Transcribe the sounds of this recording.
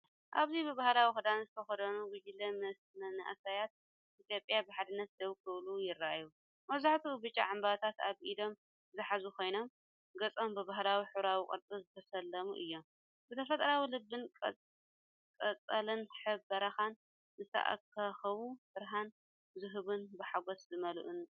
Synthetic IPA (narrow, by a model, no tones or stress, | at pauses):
ʔa̰βzibɨbahlawixɨd̪anzɨt̪ʰɐxɐd̪ɐnuɡʊd͡ʒɪlːɐmɐsmɐnɐ̰ʔsajat̪̚ | ʔit̪ʰjo̞pʼjabɨħad̪ɨnːɐt̪̚d̪ɐβkʰɨβlujɪɾːaʔju | mɐβzaħt̪ʰubɨt͡ʃʼːa̰ʕambat̪ʰat̪aβʔid̪o̞m | zɨħazukʰo̞jno̞m | ɡɐt͡sʼo̞mbɨbaɦlawiħuβɾawikʼɨ̰ɾt͡sʼɨzɨt̪ʰɐsɐlːɐmṵʔɨjːo̞m | zɨt̪ʰɐfɐt̪ʼɐɾawilɨbːɨnʼ | kʼɐt͡sʼɐlɨnħɨbɐɾɐxan | zɨst̪ʰɐ̰ʔa̰kʰːaxɐβubɨɾɦan | zɨɦɨβunbɨħaɡoszɨmɐlʔun